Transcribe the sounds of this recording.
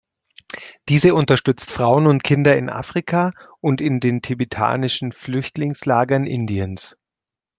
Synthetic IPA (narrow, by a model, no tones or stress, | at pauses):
d̥iːzəʊntɐʃtʏt͡stfʁ̥aʊənʊntkʰɪndɐɪnʔa̰ːfʁ̥ikʰaːʔʊntɪndeːntʰibetʰa̰ːnɪʃn̩flʏçtlɪŋslaːɡɐnʔɪ̰ndiəns